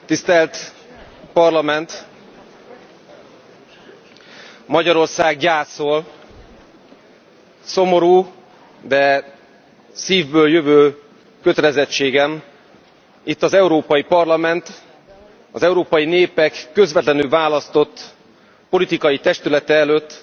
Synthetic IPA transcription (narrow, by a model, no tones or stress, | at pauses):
t̪ist̪ɛlt̪ | pɒrlɒmɛnt̪ | mɒɟɒɾo̞rsaːɡɟaːsoːl | so̞mo̞ɾuː | d̪ɛ | siːvbøːljøvøː | køt̪ɛlɛzɛt͡ʃːeːɡɛm | it̪ːɒzɛuɾoːpɒjipɒrlɒmɛnt̪ | ɒzɛuɾoːpɒjineːpɛkːø̞zvɛt̪lɛnylvaːlɒst̪o̞t̪ː | po̞lit̪ikɒjit̪ɛʃt̪ylɛt̪ɛɛløːt̪ː